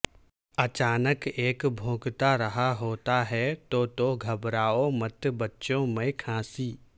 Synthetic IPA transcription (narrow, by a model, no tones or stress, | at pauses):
ɐt͡ʃaːnəkeːkbʱõːɡt̪aɾɐɦaɦoːt̪aɦɛt̪oːt̪oɡʱɐbɾaːomɐt̪bɐtːʃõmẽkʰãːsiː